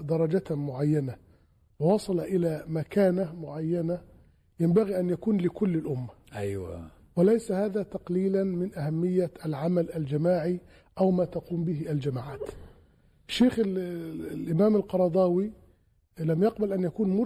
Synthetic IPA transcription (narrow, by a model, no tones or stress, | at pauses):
d̪ɑɾˤɑd͡ʒamʊʕajːana | wɪwɑsˤɑlʔɪlamakaːnamʊʕajːana | jɪmbaɣiʔanjakuːnlɪkʊlːɪlʔʊmːa | ʔajwa̰ | wɪlajsahaːðaːt̪ɑqliːlanmɪnʔahamːɪjːaʔalʕamalʔald͡ʒamaːʕi | ʔawmaːt̪ɑquːmbɪɦɪʔald͡ʒamaːʕaːt̪ | ɪʃːeːxɪ | lʔɪmaːmalqɑɾˤɑd̪ˤɑːwi | lamjɑqbalʔanjakuːnmʊ